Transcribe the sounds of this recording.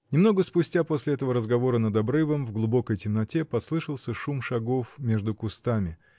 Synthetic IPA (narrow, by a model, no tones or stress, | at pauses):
nʲɪmno̞ɡəspʊsʲtʲapo̞sʲlʲɪɛt̪əvəɾəzɡɐvo̞ɾənəd̪ɐbɾɨvəmvɡlˠʊbo̞kəjtʲɪmnɐtʲe̞pɐslˠɨʂəlˠsʲəʂumʂɐɡo̞fmʲe̞ʐd̪ʊkʊst̪amʲɪ